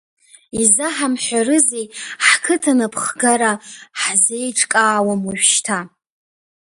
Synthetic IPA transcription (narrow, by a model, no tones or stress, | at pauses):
izaħamħʷarɨzejħkʰɨtʰanapʰχɡaɾaħzejʈ͡ʂʼkʼaːwamaʒʷʃtʰa